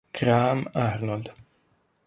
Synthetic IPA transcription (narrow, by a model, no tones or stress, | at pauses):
kɾaːmaɾnɔld̪